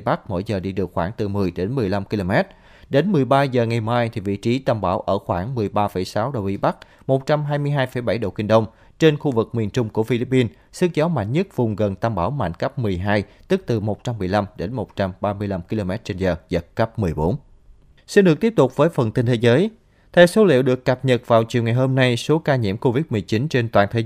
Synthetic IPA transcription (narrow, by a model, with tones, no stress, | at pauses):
ɓa˦˥k̚mo̰˧˩jzəː˨˩ɗi˧ɗɨ˨˩ək̚xwaː˧˩ŋt̪ɨ˨˩mɨ˨˩əjɗe˨˦nmɨ˨˩əjla˧mki˧lo˧mɛ˦˥t̚ | ɗe˨˦nmɨ˨˩əjɓaː˧zəː˨˩ŋa˨˩jmaː˧jt̪ʰi˨˩vḭ˧˨t͡ɕi˨˦t̪aː˧mɓaː˧˩wʔəː˧˩xwaː˧˩ŋmɨ˨˩əjɓaː˧fə˧˩jsaː˨˦wɗə˨˩wʔḭ˨˦ɓa˦˥k̚ | mo˨˩t̚t͡ɕa˧mɦaː˧jmɨ˧əjɦaː˧jfə˧˩jɓa˧˩jɗo̰˧˨kï˧˩ŋ̟ɗə˧wŋ͡m | t͡ɕe˧nxu˧vɨ˨˩k̚mi˨˩nt͡ɕʊ˧ŋ͡mku˧˩əfi˧li˦˥p̚ːi˧n | sɨ˧˥k̚zɔ˨˦ma̰˧˨jŋ̟ɲə˦˥t̚vʊ˨˩ŋ͡mɣə˨˩nt̪aː˧mɓaː˧˩wma̰˧˨jŋkə˦˥p̚mɨ˨˩əjɦaː˧jt̪ɨ˦˥k̚t̪ɨ˨˩mo˨˩t̚t͡ɕa˧mː˨˩əjla˧mɗe˨˦nmo˨˩t̚t͡ɕa˧mɓaː˧mɨ˧əjla˧mki˧lo˧mɛ˦˥t̚t͡ɕe˧nzəː˨˩zə˨˩t̚kə˦˥p̚mɨ˨˩əjɓo˨˦n | si˧nɗɨ˨˩ək̚t̪i˦˥p̚t̪ʊ˨˩k͡p̚vəː˨˦jfə˨˩nt̪i˧nt̪ʰe˨˦zəː˨˦j | t̪ʰɛ˧wso˨˦lḭ˧˨əwɗɨ˨˩əkːə˨˩p̚ɲə˨˩t̚vaː˨˩wt͡ɕḭ˧˨ŋa˨˩jɦo˧mna˧jso˨˦kaː˧ɲḭ˧˥mko˧vi˦˥t̚mɨ˨˩əjt͡ɕi˨˦nt͡ɕe˧nt̪wa̰ː˧˨t̪ʰe˨˦